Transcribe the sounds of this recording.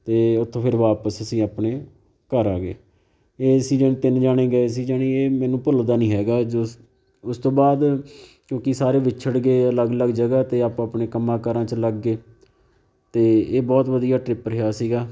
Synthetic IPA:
t̪eːʊt̪ʰːõːpʰɪɾʋaːpəsəsĩːaːpneː | kəɾaːɡḛː | eːəsiːd͡ʒəːnẽːt̪ɪnd͡ʒaːɽ̃eːɡəeːs̬iːd͡ʒaːɽiːeːmɛːnũːpʊld̪aːnĩːɦɛːɡaːd͡ʒoː | ʊst̪õːbaːd̪kjõːkɪsaːɾeːʋɪt͡ʃʰəɽɡeːələɡələɡd͡ʒəɡaːt̪eːaːpãaːpneːkəmːãːkəɾãːt͡ʃləɡːeː | t̪eːeːbɔːt̪ʋəd̪ijaːʈɾɪpəɾɦeaːsiːɡaː

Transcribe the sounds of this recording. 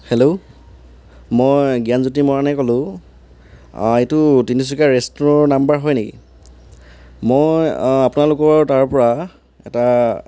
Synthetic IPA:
hɛlo | mojɡijanzut̬imɔɹanɛkɔlʊ̃ | etʊtinis̬ikaɹestɹɔnambaɹɦɔjnekḭ | mojapunalʊkɔɹtaɹpɔɹa | ɛ̰ta

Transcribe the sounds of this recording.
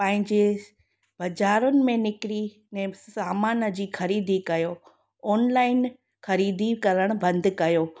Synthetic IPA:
pɐ̃ɦɪ̃ɲd͡ʑe | bɐd͡ʑaːɾʊnɪ̆mẽnɪkɪɾi | nɛ̃ːaːmaːnəd͡ʑiːxɐɾiːd̪ʱikɐjoː | ɔːnlaːɪn | xɐɾiːd̪ʱikɐɾəɽ̃ʊbɐ̃nd̪kɐjoː

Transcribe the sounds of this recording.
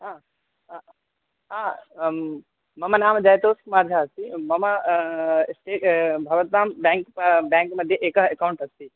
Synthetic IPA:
ɦãː | a | ɦãː | mɐmɐnaːmd͡ʒajt̪oːskmaːɾd͡ʒʱaɐst̪imɐmɐ | sʈeːbʱɐʋət̪naːmbɛ̃ːŋkpbɛ̃ːŋkmɐd̪ʱjeʔeːkɐɦekawuɳʈɐst̪i

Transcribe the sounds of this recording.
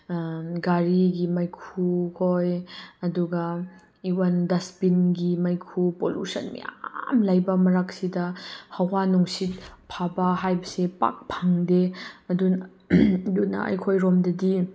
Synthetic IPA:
ɡaɾiɡimajkʰukʰojɐduɡa | iwandɐspinɡimajkʰupolṵsɐnmḭja̰mlajbɐmɐɾak̚sidɐhawwanuŋsit̚pʰabɐɦajbɐsepa̰k̚pʰaŋdeɐdun | duna̰ʔa̰jkʰojɾɔmdɐdi

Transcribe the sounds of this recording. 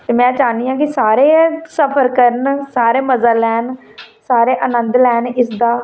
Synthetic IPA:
t̪eːmɛ̃ːt͡ʃaːniːãːk̬ɪsaːɾeːsəpʰəɾkəɾənsaːɾeːməzaːlɛːn | saːɾeːʔənə̃nd̪lɛːnɪsd̪aː

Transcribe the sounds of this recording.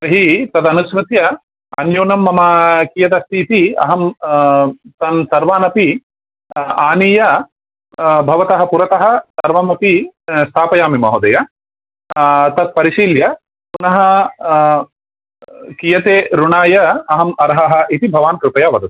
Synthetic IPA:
ɐɦit̪ɐd̪ɐnuʃmɐt̪jɐ | ɐ̰njoːnɐmːɐmɐkijɐt̪ɐst̪ʰiːt̪iɐ̰ɦɐm | t̪ɐnsɐɾʋaːnɐpi | aːnijɐ | bʱɐʋɐt̪ɐɦɐpuɾɐt̪ɐɦɐ̆sɐɾʋɐmɐpist̪ʰaːpɐjaːmimɐɦod̪ɐjɐ | t̪ɐt̪̚pɐɾiʃiːljɐ | punɐɦɐ | kijɐt̪eːɾuɳaːjɐɐɦɐmɐɾɦɐɦɐ̆ʔit̪ibʱɐʋaːnkɾɪpɐjaːʋɐd̪ɐt̪

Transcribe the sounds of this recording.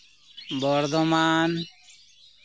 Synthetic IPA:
bɔɾd̪ɔmaːn

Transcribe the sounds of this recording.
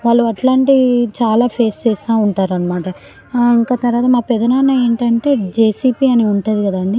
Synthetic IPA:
ʋaːɭːuɐʈlaːɳʈit͡ʃaːlaːpʰe̞ːst͡ʃeːsit̪aːuɳʈaːɾuɐnːɐmaːʈɐ | iŋkaːt̪ɐɾʋaːt̪̬ɐmaːpɛd̪ɐnaːnɐeːɳʈɐɳʈe̞ːd͡ʒeːsiːpiːɐniuɳʈaːd̪ikɐd̪ɐɳɖi

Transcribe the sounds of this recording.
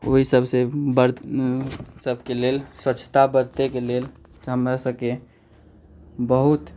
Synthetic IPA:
o̰ɦisəbsebəɾ | səbʱkelelswət͡ʃʰt̪abəɾt̪ekelel | ɦəmɾasəbke | bəɦut̪

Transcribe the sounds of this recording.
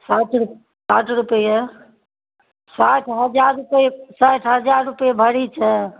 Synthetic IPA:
saʈʰɾ | saʈʰɾupəjə | saʈʰɦəd͡ʒaɾːupəsaʈʰɦəd͡ʒaɾːupəjebʱəɽit͡ʃʰə

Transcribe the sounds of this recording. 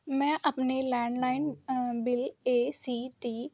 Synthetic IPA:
mɛ̃ːʔəpnelɛ̃ːɳɖlaːɪnbɪleːsiːʈiː

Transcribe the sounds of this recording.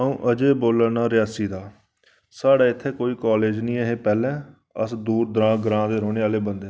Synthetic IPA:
əũːʔəd͡ʒeːboːləɽnaːɾɪjaːsiːd̪aː | saːɽaːɪt̪ʰːeːkoːiːkaːleːd͡ʒnĩːeɦeːpɛːlɛ̃ː | ə̰sd̪uːɾd̪əɾãːɡəɾãːd̪eːɾoːneːaːleːbənd̪ẽː

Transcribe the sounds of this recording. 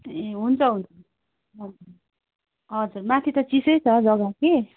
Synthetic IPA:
eɦunt͡sʰʌɦunt͡sʰʌ | ɦʌd͡zurmat̪ʰit̪ʌt͡sisʌjt͡sʰʌd͡zʌɡake

